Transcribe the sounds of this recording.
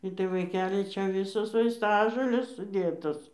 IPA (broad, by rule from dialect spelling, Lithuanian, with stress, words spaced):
ˈɪtɐɪ ʋɐɪˈkʲæːlʲɪ ˈt͡ʃʲɛ ˈʋʲɪsoːs ʋɐɪsˈtɑːʒoːlʲeːs sʊˈdʲeːtoːs